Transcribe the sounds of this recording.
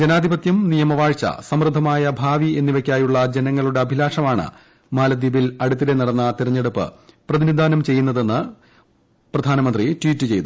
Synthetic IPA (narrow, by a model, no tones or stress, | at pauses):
d͡ʑe̞naːd̪ʱibɐt̪jɐmnijɐmɐʋaːɻt͡ɕɐ̰sɐmrɨd̪ʱːɐmaːjɐbʱaːʋie̞nːiʋe̞kʲːaːjuɭːɐd͡ʑenɐŋːɐɭuɽe̞ɐbʱilaːʂɐmaːɳɨ̰ | maːlɐd̪iːbilɐɽut̪̬ːiɾe̞nɐɽɐnːɐt̪iɾɐɲːe̞ɽupːɨ̰prɐðimid̪aːnɐmt͡ɕe̞jːunːɐðe̞nːɨ | prɐd̪ʱaːnɐmɐndritwiːtːɨt͡ɕe̞jt̪u